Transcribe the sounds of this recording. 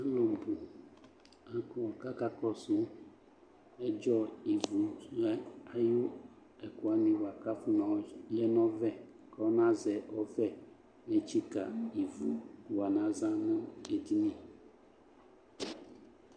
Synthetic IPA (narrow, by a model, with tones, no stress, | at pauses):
a˦lo˨m̩˨bu˨ | a˦ku˦wɔ˨ka˦ka˦kɔ˦su˦ | ɛ˦d͡ʒɔ˦i˨vu˨ɛ˦a˦ju˦ | ɛ˨ku˨a˨nĩ˨wa˨ka˦fu˦nɔ̃˨˦lɛ˦nɔ̃˦vɛ˦ | kɔ˦nã˦zɛ˨ɔ˦fɛ˦ | me˨t͡ʃi˦ka̰˨i˨vu˨wa˨nã˦zã˦nũ˦e˨di˦mĩ˦